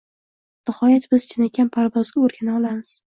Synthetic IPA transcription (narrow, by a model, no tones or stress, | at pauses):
nɪhɒjat̪bɪz̥t͡ʃʰɪnakʲanpʰaɾvɒzɡʲaoɾɡʲanaɒlˠamɪz̥